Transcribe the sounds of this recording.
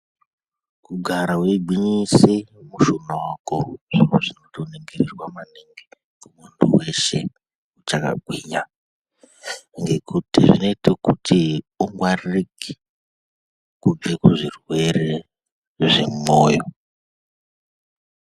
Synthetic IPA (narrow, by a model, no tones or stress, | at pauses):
kuɡʱaɾaweɡʱiɲisimuʃunawakoʐ̥ioʐinotoneŋɡererwamaneŋɡe | kumuntṵweʃḛ | ut͡ʃaka̰ɡʱwiɲa | ŋɡe̞kutiʐino̞itekuti | uŋɡwarriki̥ | kub͡vekuʐirwe̞re | ʐḛmumoːjo